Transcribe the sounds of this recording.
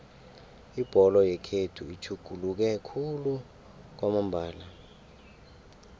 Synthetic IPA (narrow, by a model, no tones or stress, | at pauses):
ib̥ʱɔlɔjɛkʰedʰuit͡ʃʰuɡ̥ʱuluk̬ɛkʰulu | k̬wamambʱaːla